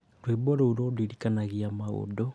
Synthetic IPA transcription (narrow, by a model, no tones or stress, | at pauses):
dwebɔɾouɾodiɾikanaɣiamao̰do